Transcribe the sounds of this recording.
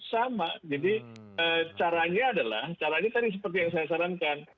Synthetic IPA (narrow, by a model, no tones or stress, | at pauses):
samad͡ʒadi | ət͡ʃaɾaɲaːdala̰ht͡ʃaɾaɲat̪adis̬əpərt̪ijaŋs̬ajasaɾankan